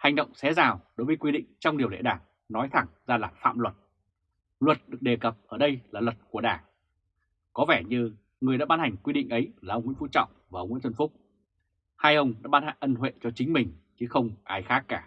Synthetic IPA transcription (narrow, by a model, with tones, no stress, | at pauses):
ha˨˩jŋ̟ɗə̰˧˨wŋ͡msɛ˨˦zaː˨˩wɗo˨˦jvə˨˦jkwi˧ɗḭ̈˧˨ŋ̟t͡ɕɔ˧wŋ͡mɗi˨əwlḛ˧˨ɗaː˧˩ŋ | nɔ˨˦jt̪ʰa˧˩ŋzaː˧laː˨˩fa̰ː˧˨mlwə˨˩t̚ | lwə˨˩t̚ɗɨ˨˩ək̚ɗe˨˩kə˨˩p̚ʔəː˧˩ɗə˧jlaː˨˩lwə˨˩t̚ku˧˩əɗaː˨˩ | kɔ˨˦vɛ˧˩ɲɨ˧ | ŋɨ˨˩əjɗaː˧˥ɓaː˧nha˨˩jŋ̟kwi˧ɗḭ̈˧˨ŋ̟ʔə˨˦jlaː˨˩ʔə˧wŋ͡mŋḭ˧˥˦fu˧˥t͡ɕɔ̰˧˨wŋ͡mvaː˨˩ʔə˧wŋ͡mwḭ˧˥nt̪ʰə˧nfʊ˦˥k͡p̚ | haː˧jʔə˧wŋ͡mɗa̰ː˧˥ɓaː˧nha˨˩ŋʔə˧nɦwḛ˧˨t͡ɕɔ˧t͡ɕi˨˦ŋ̟mï˨˩ŋ̟t͡ɕɨ˨˦xə˧wŋ͡mʔaː˨˩jxaː˦˥kːaː˧˩